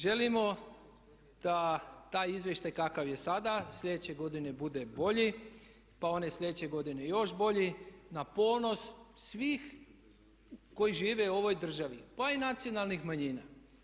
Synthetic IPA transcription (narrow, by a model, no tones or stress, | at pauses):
ʒe̞limo̞ | d̪̥at̪aːjizʋjeʃt̪ajkakaʋje̞sad̪asʎʲe̞d̪et͡ɕe̞ɡo̞d̪ine̞bud̪e̞bo̞ʎi | pao̞neslʎed̪et͡ɕeɡo̞d̪ine̞jo̞ʃbo̞ʎinapo̞ːno̞ssʋiːx | ko̞jiʒiːʋe̞uo̞ʋo̞jd̪r̩ʒaʋipainat̪sijo̞nalˠnixmaɲiːna